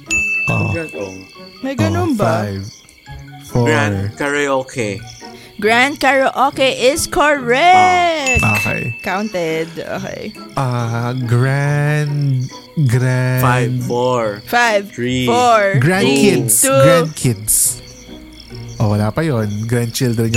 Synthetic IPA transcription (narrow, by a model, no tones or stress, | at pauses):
ʔo̰ | mɛjɡɐnʊŋbajv | foaɹkaɹɛokɛ | ɡɹand̪̚kaɹɛʔokɛʔɪskoɹɛkʔo̰ːkɛ̰jkawnt̪ɛd̪ʔo̰ːkɛ̰j | ʔaɡɹand | ɡɾafɹfajvɹifoɹɡɹand̪kɪd̪suɡɾand̪̚kʰɪd̪s | ʔowɐlaːpɐjonɡɾãnd̪̚t͡ʃɪld̪ɾɛn